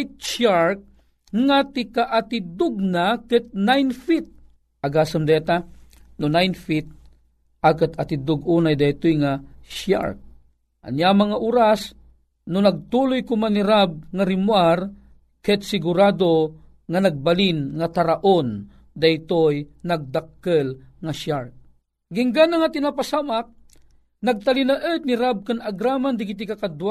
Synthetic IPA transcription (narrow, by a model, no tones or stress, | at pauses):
jt̪̚ʃaɹk̚ | ŋat̪ɪkaʔat̪id̪ʊɡ̚nakɨt̪̚najnfit̪̚ | ʔaɡasamd̪ɛt̪anʊnajnfit̪̚ | akɨt̪ɐt̪id̪ʊɡunajd̪ajt̪ojŋaʃa̰ɹk̚ | ʔɐ̰njamɐŋaʔuɾas | nʊnɐɡ̚t̪ulʊjkʊmaniɾab̚ŋaɾimuar | kɛt̪̚sɪɡuɾad̪o | ŋanaɡ̚balinŋat̪aɾaʔon | d̪ajt̪ojnaɡ̚d̪akːəlŋaʃjaɹk̚ | ɡiŋɡanaŋat̪inapasamak̚ | naɡ̚t̪alinaʔət̪̚niɾab̚kanaɡɾamand̪ɪɡit̪̬ikakad̪wa